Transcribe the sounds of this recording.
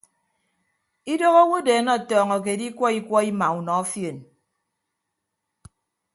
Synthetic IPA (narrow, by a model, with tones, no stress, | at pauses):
i˦do˦ɣɔ˦wo˦de˨˦nɔ˦˨tɔː˨ŋɔ˨k̬e˨di˦kwɔ˦i˦kwɔ˦i˦ma˨u˨nɔ˨ɔ˦fje˨n